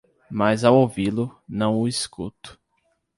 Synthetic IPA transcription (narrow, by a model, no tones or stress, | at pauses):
mazawowvilʊnɐ̃w̃ʊiskut̪ʊ̥